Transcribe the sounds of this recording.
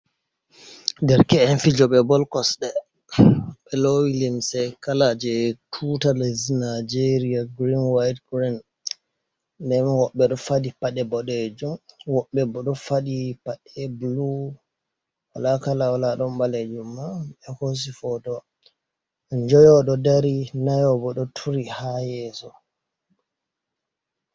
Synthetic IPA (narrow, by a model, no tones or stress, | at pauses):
dɛɾkɛɛnfid͡ʒɔɓɛbɔlkɔsɗɛ | ɓ̥ɛlowilimsɛkalad͡ʒɛtʰutalaznad͡ʒeɾiaɡɾinwajtɡɾin | dɛmwɔɓːɛɗɔfadipaɗɛbɔɗed͡ʒumwɔɓːɛbɔɗɔfadipaɗɛblu | walakalawalaɗɔmbaled͡ʒumːaɛhos̬ifɔdɔ | ɲd͡ʒɔjɔɗɔdaɾinajɔbɔɗɔtʰuɾihajɛsɔ